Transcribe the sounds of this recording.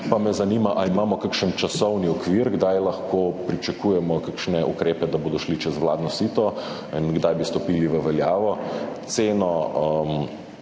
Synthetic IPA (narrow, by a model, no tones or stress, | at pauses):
pamɛzanimaʔaimaːmɔkakʃənt͡ʃasɔwniɔkʋiɾɡd̪ajlɐxkoːpɾit͡ʃɐkuːjɛmɔkakʃnɛʔukɾeːpɛd̪aboːd̪ɔʃlit͡ʃɛzʋla̰ːd̪nɔsit̪ɔ | inɡd̪ajbist̪ɔpiːliʋəʋɛljaːʋɔt̪seːnɔəm